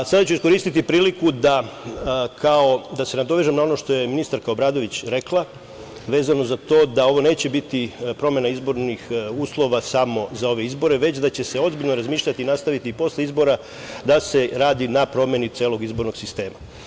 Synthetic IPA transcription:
sad̪at͡ɕuiskoɾiːst̪it̪ipɾiːlikud̪a | kʰaod̪ase̞nad̪o̞ʋe̞ʒemnao̞no̞ʃt̪o̞je̞minist̪aɾkaobɾaːd̪o̞ʋit͡ɕɾe̞klˠa | ʋe̞ːzano̞zat̪o̞ːd̪ao̞ʋo̞ne̞ːt͡ɕe̞bit̪ipɾo̞mje̞naizbo̞ɾnixuːslˠo̞ʋasamo̞zao̞ʋe̞izbo̞ɾe̞ʋe̞t͡ɕd̪at͡ɕe̞se̞o̞zbiʎno̞ɾazmiːʃʎat̪iːnast̪aʋit̪iːpo̞sleizbo̞ɾa | d̪ase̞ɾaːd̪inapɾo̞mje̞nit̪sjeːlˠo̞ɡizbo̞ɾno̞ɡ̥sist̪e̞ːma

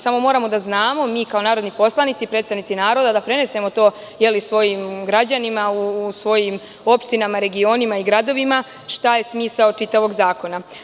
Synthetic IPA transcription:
samo̞mo̞ːɾamo̞d̪aznaːmo̞miːkao̞naːɾod̪nipo̞slˠanit̪sipɾet̪st̪aʋnit̪sinaːɾo̞d̪ad̪apɾe̞ne̞se̞mo̞t̪o̞ː | je̞lisʋo̞jimɡɾad͡ʑanimausʋo̞jim | o̞pʃt̪inamaɾe̞ɡio̞nimaiɡɾad̪o̞ʋima | ʃt̪aje̞smiːsaot͡ʃit̪aʋo̞ɡzaːko̞na

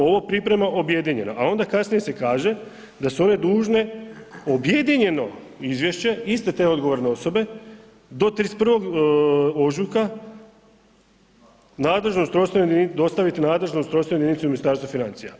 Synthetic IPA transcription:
o̞ʋopɾipɾe̞maʔo̞bje̞d̪iɲe̞naʔao̞nd̪akasnije̞se̞kaːʒe̞ | d̪asuo̞ne̞d̪uːʒne̞o̞bje̞d̪iɲe̞no̞ | izʋje̞ʃt͡ɕe̞ist̪et̪e̞o̞d̪ɡo̞ʋo̞ɾne̞o̞so̞be̞ | d̪o̞t̪ɾispr̩ʋo̞ɡ | o̞ʒuka | naːd̪le̞ʒnoust̪ɾo̞st̪ajed̪id̪o̞st̪aʋit̪inaːd̪le̞ʒnoust̪ɾo̞st̪ad̪init̪uminist̪aːɾst̪ʋafinant̪sija̰

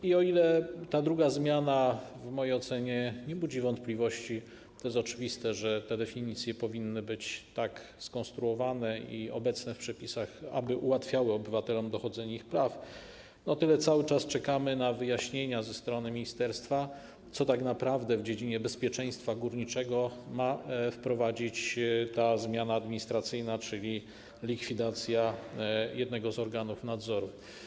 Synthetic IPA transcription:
iɔilɛt̪ad̪ɾuɡazmʲjanavmɔjejɔt̪sɛɲɛɲɛbud͡ʑivɔnt̪̚plʲivɔɕt͡ɕi | t̪ɔjɛst̪ɔt͡ʂɘvʲist̪ɛʐɛt̪ɛd̪ɛfʲiɲit̪sʲjɛpɔvʲinːɘbɘt͡ɕt̪ak | skɔ̃st̪ɾuɔvanɛiɔ̰bɛt̪snɛfpʂɛpʲisaxa̰bɘʔuwat̪fʲjawɘɔbɘvat̪ɛlɔmd̪ɔxɔd̪zɛɲaixpɾaf | nɔt̪ɘlɛt̪sawɘt͡ʂast͡ʂɛkamɘnavɘjaɕɲeɲazɛst̪ɾɔnɘmʲiɲist̪ɛɾst̪fa | t̪sɔt̪aknapɾavd̪ɛvd͡ʑed͡ʑiɲɛbɛspʲjɛt͡ʂɛj̃st̪faɡuɾɲit͡ʂɛɡɔmafpɾɔvad͡ʑit͡ɕt̪azmʲjanaːd̪mʲiɲist̪ɾat̪sɘjnat͡ʂɘlʲi | lʲikfʲid̪at̪sʲjajɛd̪nɛɡɔzɔɾɡanufnad̪zɔɾu

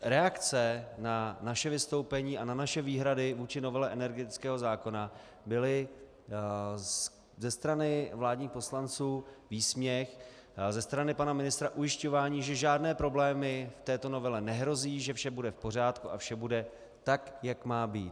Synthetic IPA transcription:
ɾɛakt͡sɛnanaʃɛvɪst̪o̞wpɛɲiːananaʃɛviːɦɾadɪvuːt͡ʃɪno̞vɛlɛʔɛnɛɾɡɛt̪ɪt͡skɛːɦo̞zaːko̞na | bɪlɪ | zɛst̪ɾanɪvlaːdɲiːxpo̞slant͡suːviːsmɲɛx | zɛst̪ɾanɪpanamɪnɪst̪ɾaʔujɪʃco̞vaːɲiːʒɛʒaːdnɛːpɾo̞blɛːmɪft̪ɛːt̪o̞no̞vɛlɛnɛɦɾo̞ziːʒɛfʃɛbudɛfpo̞r̝aːt̪kuʔafʃɛbudɛ | t̪akjakmaːbiːt̪

